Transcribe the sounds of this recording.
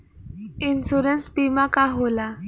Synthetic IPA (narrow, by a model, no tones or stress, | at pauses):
insuɾənsbimakaɦola